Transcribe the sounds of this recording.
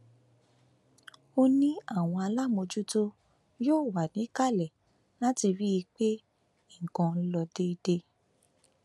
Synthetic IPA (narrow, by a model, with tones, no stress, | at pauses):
o˧nĩ˦a˦˨w̃ɔ̃˧a˧la˦˨mo˧d͡ʒu˦to˦ | joː˦˨wa˨nĩ˨˦ka˦˨lɛ˨ | nã˦ti˧ɾi˦ji˧k͡pe˦ | ĩ˦˨kɔ̃˧n̩˦lɔ˧de˦i˧de˧